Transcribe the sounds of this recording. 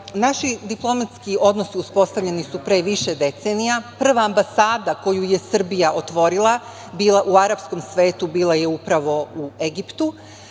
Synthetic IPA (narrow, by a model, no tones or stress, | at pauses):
naʃid̪iplˠo̞mat̪skio̞d̪no̞siuspo̞st̪aʋʎe̞nisupɾe̞ːʋiʃe̞d̪e̞t̪senijapr̩ʋaːmbasaːd̪ako̞juje̞sr̩bijaʔo̞t̪ʋo̞ɾilˠa | biːlˠaʔuaɾapsko̞msʋe̞ːt̪ubiːlˠaje̞upɾaʋo̞ue̞ɡipt̪u